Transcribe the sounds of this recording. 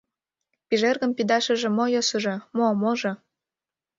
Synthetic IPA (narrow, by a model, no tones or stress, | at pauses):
piʒerɣə̆mpid̪ɑʃə̆ʒĕmojosuʒĕmomoʒɤ̆